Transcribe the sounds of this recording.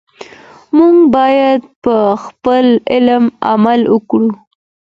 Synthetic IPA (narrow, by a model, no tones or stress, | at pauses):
muŋɡbɑjad̪pəxpəlɪlma̰malwəkɽu